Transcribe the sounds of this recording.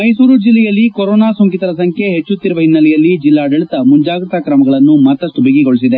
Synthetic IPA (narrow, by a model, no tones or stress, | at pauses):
mɐjsuːɾud͡ʒilːɛjɐlːikoɾoːnaːsoŋkit̪ɐɾɐsɐŋkʰjeɦet͡ʃːut̪ːiɾuʋɐɦinːɐlɛjɐlːid͡ʒilːaːɖɐɭit̪ɐmuɲd͡ʒaːɡɾɐt̪akɾɐmɐɡɐɭɐnːumɐt̪ːɐʂʈubiɡiɡo̞ɭisid̪e